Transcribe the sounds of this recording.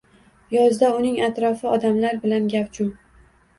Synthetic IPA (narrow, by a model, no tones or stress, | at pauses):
jɒzd̪aʊnɪŋat̪ɾɒfɪɒd̪amlaɾbɪlanɡʲapt͡ʃʰʊm